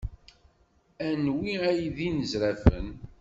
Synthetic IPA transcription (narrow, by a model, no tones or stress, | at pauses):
ænwiæjðinəzɾæfə̰n